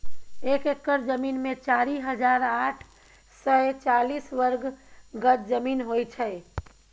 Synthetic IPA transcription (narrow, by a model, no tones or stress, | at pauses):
ekekːəɾd͡ʒəminmẽt͡ʃaɾiɦəd͡ʒaːɾaːʈʰ | sət͡ʃalisʋəɾɡɡət̪̚d͡ʒəmiːnɦojt͡ʃʰɛ